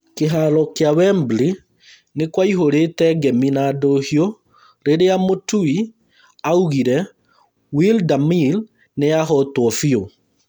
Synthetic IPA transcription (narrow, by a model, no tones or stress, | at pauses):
keɦalɔkjawɛmbli | nekwaiɦoɾetɛɡɛminadohjo | ɾeɾeamotui | auɣiɾɛ | wildamil | neaɦɔtwɔfio